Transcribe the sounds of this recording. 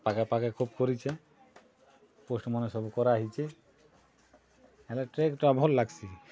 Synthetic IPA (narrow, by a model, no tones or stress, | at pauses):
pakapakakʰubkoɾit͡ʃʰe | posʈmɔneʃɔbukɔɾaaɦit͡ʃʰe | ɛlɛʈɾekʈabʱɔlːaɡsʰi